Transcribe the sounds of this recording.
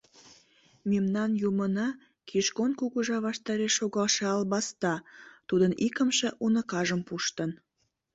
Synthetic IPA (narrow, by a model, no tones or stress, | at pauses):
memnɑnjumənɑ | kʰiʃkonkuɣuʒɑβɑʃt̪ɑɾeʃːoɣɑlʃɑɑlβɑst̪ɑt̪ud̪ənikəmʃeʔunəkɑʒəmpuʃt̪ən